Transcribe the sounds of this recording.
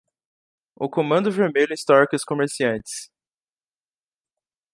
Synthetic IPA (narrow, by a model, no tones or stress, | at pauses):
ʊkomɐ̃nd̪ʊveɾmeʎʊẽst̪ɔɾkɪʊskomeɾsiɐ̃nt͡ʃɪ̥s